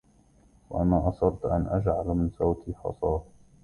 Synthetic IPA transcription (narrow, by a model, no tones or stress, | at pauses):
waʔanaːʔɑsˤɑbt̪ʔa̰nʔad͡ʒʕalamɪnsˤawt̪ʰiːħɑ̰sˤɑː